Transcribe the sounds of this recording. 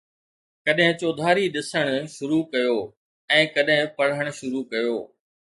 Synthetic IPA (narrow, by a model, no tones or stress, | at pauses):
kɐɗɦɪ̃t͡ɕoːd̪ʱaːɾiɗɪsəɽ̃ʊʃʊɾukɐjoː | ɛ̃ːkɐɗɦɪ̃pɐɽ̤əɽ̃ʊ̆ʃʊɾukɐjoː